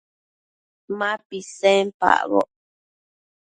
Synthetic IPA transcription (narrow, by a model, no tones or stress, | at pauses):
mãpisɛ̃mpa̰ʔβɔ̰ʔ